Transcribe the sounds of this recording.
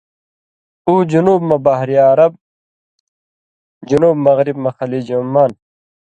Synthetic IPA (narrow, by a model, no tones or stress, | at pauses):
uːd͡ʑunuːbmɐbaɦɾiaːɾɐb̚ | d͡ʑunuːbmɐɣɾibmɐxɐlid͡ʑumːaːn